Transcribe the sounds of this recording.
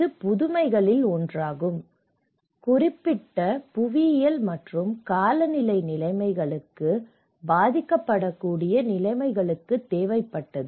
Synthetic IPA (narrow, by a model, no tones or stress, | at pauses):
ɯpʊðʊmɐɪɣɐɭɪlɔndraːɣɯm | kʊrɪpːɪʈːɐpʊʋɪjɐlmɐʈrɯmkaːlɐnɪlɐɪnɪlɐɪmɐɪɣɐɭɯkːɯ | baːðɪkːɐpːɐɽɐkːuːɽɪjɐnɪlɐɪmɐɪɣɐɭɯkːɯt̪ːeːʋɐɪpːɐʈːɐðɯ